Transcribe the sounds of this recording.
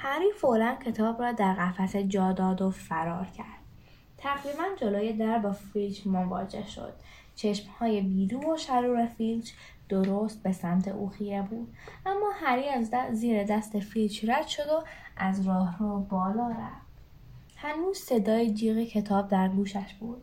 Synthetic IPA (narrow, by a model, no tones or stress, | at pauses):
hæɾiːfoʔlæncʰe̞t̪ʰɒːbrɒːd̪æɾɣæfæsed͡ʒɒːd̪ɒːd̪ofæɾɒːɾcʰæɾd̪̥ | t̪ʰæɣɾiːbænd͡ʒoloːje̞d̪æɾbɒːfild͡ʒmovɒ̰ːd͡ʒe̞̰hʃo̰d̪̥ | t͡ʃʰe̞ʃmhɒːje̞biːd̪uːnoʃæɾuːɾefild͡ʒ | d̪̥oɾoːst̪̚be̞sæmt̪ʰḛʔuːxie̞buːd̪̥ʔæmːɒːhæɾiːæzziːɾed̪æst̪efilt͡ʃræd̪̥ʃo̞d̪o̞ʔæzɾɒːhruːbɒːlɒːɾæft̪ | hænuːz̥se̞d̪ɒːjed͡ʒiːɣecʰe̞t̪ʰɒːb̚d̪æɾɡuːʃæʃb̥uːd̪̥̚